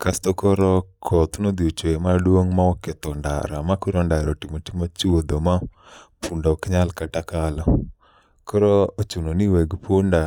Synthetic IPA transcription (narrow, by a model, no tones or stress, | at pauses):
kast̪okɔɾɔkʰɔt̪unod̪iot͡ʃemaɗuoŋmawɔket̪ɔnda̰ɾa̰makuɾɔndaɾɔtimotimot͡ʃuwod̪oma | pʰundɔkiɲalkatakalɔ | kɔɾɔot͡ʃunoniwɛɡponda